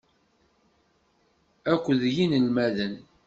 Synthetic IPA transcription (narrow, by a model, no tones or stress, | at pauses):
ækʷːðjinəlmæðən